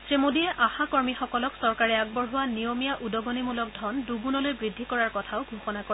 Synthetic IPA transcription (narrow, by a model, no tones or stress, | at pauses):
sɹemodiɛʔaxakɔɹmixɔkɔlɔksɔɹkaɹɛaɡ̚bɔɹɦʊwanijomijaʔudɔɡɔnimulɔk̚dʱɔnduɡunɔlojbɹidʱːikɔɹaɹkɔtʰaʊɡʱuxɔnako